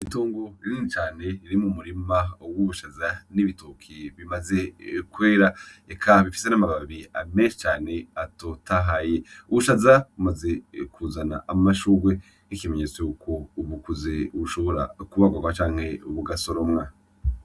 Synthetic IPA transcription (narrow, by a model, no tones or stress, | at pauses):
itoːŋɡo̞iɾinit͡ʃaːne̞iɾimumuɾimawuβuʃazaniβitokʰiβimaze̞kweːɾaekʰaβifi̥senamaβaβiame̞ːnʃi̥t͡ʃaːne̞atotaɦaje̞uβuʃazaβumaze̞kʰuzana̰ʔamaʃuːɡwe̞ | ikime̞ɲet͡sweukʰouβukuzeuβuʃoβo̞ɾa̰kuβaɡwaɡwat͡ʃaːŋ̥he̞uβuɡaso̞ɾomŋa